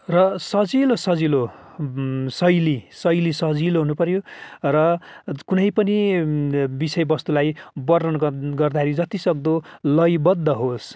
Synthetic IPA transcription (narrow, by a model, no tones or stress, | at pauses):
rʌsʌd͡zilosʌd͡zilo | sʌjlisʌjlisʌd͡ziloɦunupʌrɾjorʌkunʌjpʌni | bisʌjbʌst̪ulajbʌrʌnɡʌrd̪aeɾid͡zʌt̪isʌɡ̚d̪olʌjbʌd̪ʱːʌɦos